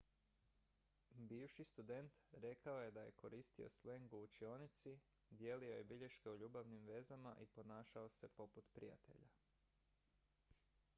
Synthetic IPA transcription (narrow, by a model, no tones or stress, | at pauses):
biːʋʃist̪ud̪e̞nt̪ɾe̞kao̞je̞d̪ajeko̞ɾiːst̪io̞̰sle̞ŋɡuːt͡ʃio̞ːnit̪si | d̪je̞lio̞je̞biʎe̞ʃke̞uʎuːbaʋnimʋe̞zamaʔipo̞naːʃao̞se̞po̞put̪pɾija̰t̪e̞̰ʎa